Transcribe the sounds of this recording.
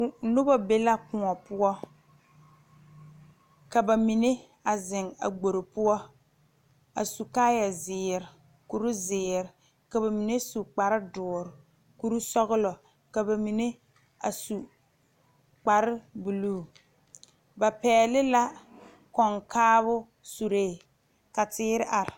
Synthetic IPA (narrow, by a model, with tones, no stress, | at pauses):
nʊ˦bɔ˦be˦la˦kʊ˨ŋɔ˨pʊ˦ɔ˦ | ka˨ba˨mi˨ne˦ | a˨zɪ˨ŋa̰˨ɡ͡bo˨ɾɪ˨pʊ˦ɔ˦ | a̰˨su˨kaː˦ja˨zɪː˨ɾɪ˨ | ku˨ɾu˦zɪː˨ɾɪ˨ | ka˨ba˨mi˨ne˦su˨k͡pa˨ɾɪ˦dʊː˨ɾɪ˨ | ku˦ɾu˦sɔ˦ɣʊ˦lɔ˨ | ka˨ba˨mi˨ne˦ | a̰˨su˨ | k͡pa˨ɾɪ˦bu˨luː˦˨ | ba˨pɛː˨lɪ˦la˦ | kɔ˨ŋkʰaː˦βʊ˦ | su˨ɾeː˦˨ | ka˨tɪː˦ɾɪ˦ʔa˨ɾɪ˨